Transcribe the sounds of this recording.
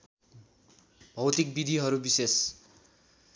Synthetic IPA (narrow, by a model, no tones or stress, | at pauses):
bʱʌwt̪ik̚bid̪ʱiɦʌɾubises